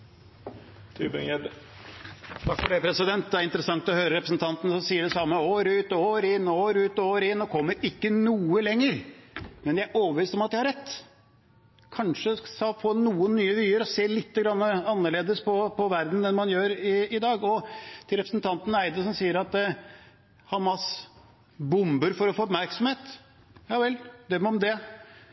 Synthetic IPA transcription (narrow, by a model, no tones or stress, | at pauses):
t̪ʰʉːbəŋɛd̪ | t̪ʰɑkfɔɖɛpʰɾɛsɪd̪ɛnt̪̚d̪ɛæɾɪnt̪ɾəsɑŋt̪ɔhøːɾəɾɛpɾəsn̩t̪ʰɑnt̪ənsɔsiːəɖɛsɑmːəoːɾʉːt̪oːɾɪnːoːɾʉːt̪oːɾɪnːɔkʰɔmːəɾɪkːənuːəlɛŋːəɾmɛnææɾʔoːbəɾʋiːst̪ɔmɑt̪̚d̪ɪhɑɾɛt̪ː | kʰɑnʂəsɑfoːnuːənːyːəʋyːəɾɔseːlɪt̪ːəɡɾɑnːəɑnːəɭeːd̪əspʰɔpʰɔʋæɾd̪n̩d̪ɛnmɑnjøːɾɪɪd̪ɑːɡɔt̪ʰɪlɾɛpɾəsn̩t̪ʰɑnt̪n̩æɪd̪əsɔmsiːəɾɑt̪ | hɑmɑs | bʊmbəɾfɔɾɔfoːɔpmæɾksɔmheːt̪ | jɑːʋɛld̪œmːɔmd̪ɛ